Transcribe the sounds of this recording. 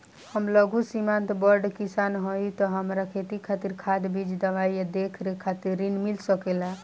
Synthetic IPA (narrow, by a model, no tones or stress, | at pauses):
həmləɡʱusimant̪bəɾɖkisanɦojt̪ɔɦəmɾakʰet̪ikʰat̪iɾkʰad̪bid͡ʒd̪əbaijad̪ekʰɾekʰat̪iɾːinmilsəkela